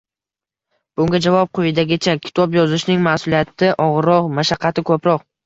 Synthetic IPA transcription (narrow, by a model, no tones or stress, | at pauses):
b̥ʊŋɡʲad͡ʒavɒp̚qʰojɪd̪aɡʲɪt͡ʃʰakʲʰɪ̥t̪ʰɒpjɒzɪʃnɪŋmasʊlijat̪ʰɪʔɒʁɨɾːɒqmaʃaqʰːɑt̪ʰɪkʰɵpɾɒq